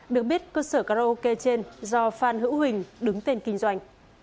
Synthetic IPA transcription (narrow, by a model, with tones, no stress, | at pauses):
ɗɨ˨˩ək̚ɓi˦˥ət̚kəː˧səː˧˩kaː˧ɾa˧ʔo˧ke˧t͡ɕe˧nzɔ˧faː˧˩nɦɨ̰˧˥whï˨˩ŋ̟ɗɨ˨˦ŋt̪e˧nkï˧ŋ̟zwa˧jŋ̟